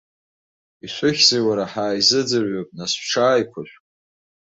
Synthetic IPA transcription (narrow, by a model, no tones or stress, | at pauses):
iʃʷʰʊχʲzewaɾaħaːizɨd͡zɨrɥopʼnasʈ͡ʂʰaːjkʷʰaʃᶣʷ